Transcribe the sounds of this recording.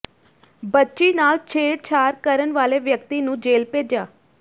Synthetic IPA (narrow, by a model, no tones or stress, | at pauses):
bətːʃiːnaːlt͡ʃʰeːɽt͡ʃʰaːɾkəɾənʋaːleːʋjəkt̪iːnũːd͡ʒeːlpeːd͡ʒaː